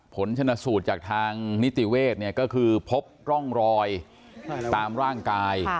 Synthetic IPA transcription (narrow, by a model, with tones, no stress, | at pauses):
pʰo˩˦nt͡ɕʰa˧na˧suː˨˩t̪̚t͡ɕaː˨˩k̚t̪ʰaː˧ŋni˦˥t̪i˨˩weː˥˩t̪̚ni˥˩ɐkɔː˥˩kʰɯː˧pʰo˦˥p̚ɾɔ˥˩ŋɾɔː˧j | t̪aː˧mɾaː˥˩ŋkaː˧j